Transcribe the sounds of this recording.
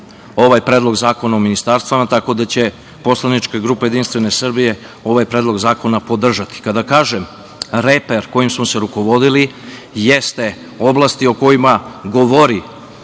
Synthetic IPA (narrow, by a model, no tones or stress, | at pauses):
o̞ʋajpɾeːd̪lˠo̞ɡzaːko̞naominist̪aɾst̪ʋamat̪ako̞d̪at͡ɕe̞ | po̞slanit͡ʃkeɡɾuːpeje̞d̪inst̪ʋe̞ne̞sr̩bije̞ | o̞ʋajpɾe̞ːd̪lo̞ɡzaːko̞napo̞d̪r̩ʒat̪i̥kad̪akaːʒem | ɾepeɾko̞jimsmoseɾuko̞ʋo̞d̪ili | jest̪e̞ | o̞blˠast̪io̞ko̞jimaɡo̞ʋoɾi